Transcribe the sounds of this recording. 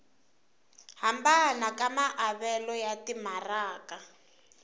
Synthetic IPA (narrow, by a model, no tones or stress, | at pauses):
hambanakamaʔaβɛlɔjatimaraːka